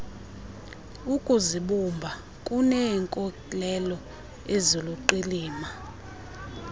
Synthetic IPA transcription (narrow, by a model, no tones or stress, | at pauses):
ukʼuziɓumbʱa | kʼunɛːŋkʼɔkʼilɛlɔ | eziluǃiliːma